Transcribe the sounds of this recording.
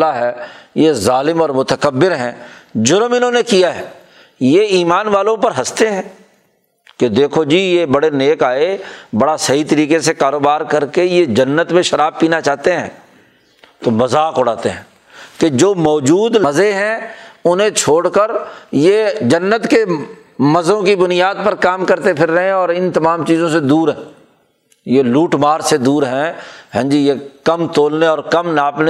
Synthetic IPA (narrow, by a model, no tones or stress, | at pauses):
laɦɛːjezaːlɪmɔːɾmʊt̪əkəbːɪɾɦɛ̃ːd͡ʒʊɾmɪnɦõːnekijaɦɛː | jeiːmaːnʋaːlõpɐɾɦɐst̪eɦɛ̃ː | ked̪eːkʰod͡ʒiːjebɐɽeneːkaːebɐɽasɐɦit̪əɾiːkesekaːɾoːbaːɾkɐɾkejed͡ʒɐnːət̪mẽʃɐɾaːb̚piːnat͡ʃaːɦt̪eɦɛ̃ː | t̪obɐzaːkʊɽaːt̪eɦɛ̃ː | ked͡ʒoːmɔːd͡ʒuːd̪ɐzeɦɛ̃ʊnɦẽt͡ʃʰoːɽkəɾjed͡ʒɐnːət̪ke | mɐzõkibʊnɪjaːd̪̚pəɾkaːmkɐɾt̪epʰɪɾːɐɦẽɔːɾɪnt̪ɐmaːmt͡ʃiːzõsed̪uːɾɦɛ̃ː | jeluːʈmaːɾsed̪uːɾɦɛ̃ɦɛ̃ːd͡ʒijekɐmt̪oːlneɔːɾkɐmnaːpne